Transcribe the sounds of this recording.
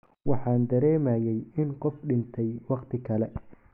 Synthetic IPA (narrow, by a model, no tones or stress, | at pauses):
wɑħɑːnd̪ɐɾɛːmɐːjɛjɪnqɔfɖɪnt̪ʰɛjwɑqt̪ʰɪkʰɐlɛ